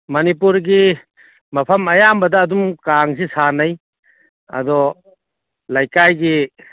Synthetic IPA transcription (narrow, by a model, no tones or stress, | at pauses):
mɐnipuɾɡi | mɐpʰɐmɐjambɐdɐːdumkaŋsisanaj | ɐ̰dɔ | lajkajɡi